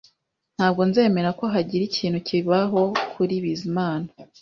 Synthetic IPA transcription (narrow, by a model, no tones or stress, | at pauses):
n̥haːb̚ɡo̞nze̞ːme̞ɾako̞ɦaɟiɾicʰiːn̥hucʰiβaɦo̞kʰuɾiβizimaːna